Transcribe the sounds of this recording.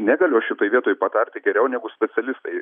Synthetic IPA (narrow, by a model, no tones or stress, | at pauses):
nʲæːɡɐlʲʊɐʃʃʲɪt̪oːjʋʲiɛt̪oːjɪpɐt̪ɐɾʲt̪ʲɪɡʲɛɾʲɛʊnʲæːɡʊsʲpʲɛt͡s̪ʲɛlʲɪst̪ɐɪ